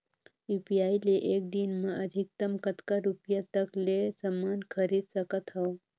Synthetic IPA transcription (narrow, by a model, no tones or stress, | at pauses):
ipiajleʔek̚d̪inməʔəd̪ʱik̚t̪əmkət̪kaɾupjat̪əklesəmankʰəɾid̪səkət̪ɦa